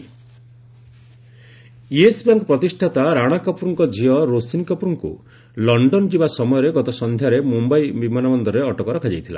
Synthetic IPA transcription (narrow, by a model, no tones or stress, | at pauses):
iesbjaŋkɔpɾɔt̪isʈʰat̪aɾaɽ̃akɔpɾuŋkɔd͡ʒiɔɾosinkɔpɾuŋkṵ | lɔɳɖɔnd͡ʒibasɔmɔjɔɾeɡɔt̪ɔsɔnd̪ʱjaɾemumbajbimanabɔnd̪ɔɾeɔʈɔkɔɾɔkʰad͡ʒajt̪ʰila̰